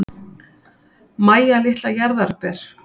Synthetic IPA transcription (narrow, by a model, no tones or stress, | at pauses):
maːjalɪht̪lajaɾðaɾ̥pɛɾ̥